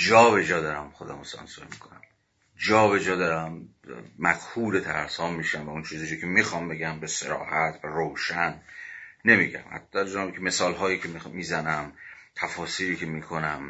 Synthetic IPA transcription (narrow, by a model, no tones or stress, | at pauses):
d͡ʒɒːbe̞d͡ʒɒːd̪ɒːɾæmχo̞d̪æ̰mosɒ̰nsoɾmiːkʰonæm | d͡ʒɒːbe̞d͡ʒɒːd̪ɒːɾæmː | æqhuːɾet̪ʰæɾshɒːmiːʃæmvæunt͡ʃʰiːzid͡ʒikʲʰemixɒːmbe̞ɡæmbeseɾɒ̰ːhæt̪ʰvæɾowʃænː | e̞miːɟæ̰mæ̰t̪ːd̪æɾd͡ʒɒːkʲʰeme̞sɒːlɦɒːjikʰemmiːzænæmt̪ʰæfɒːsiːɾiːcʰemiːkʰonæm